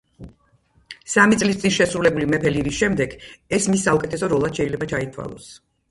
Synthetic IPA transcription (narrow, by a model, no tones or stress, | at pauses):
samit̪sʼlist̪sʼinʃɛsɾulɛbulimɛpʰɛliɾisʃɛmd̪ɛɡɛsmisːaukʼɛt̪ʰɛsɔɾɔlˠad̪̥ʃɛilɛbat͡ʃʰait̪ʰwa̰lˠɔ̰s